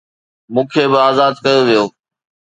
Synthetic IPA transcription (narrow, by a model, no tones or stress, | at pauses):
mũːkʰeːbɪaːzaːd̪kɐjoʋijoː